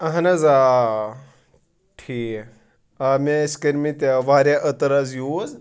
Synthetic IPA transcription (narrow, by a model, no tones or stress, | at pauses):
ɐɦɐnɐza | ʈʰiː | ameskɐɾmit̪aʋaːɾʲaʔət̪ɐɾazjuːz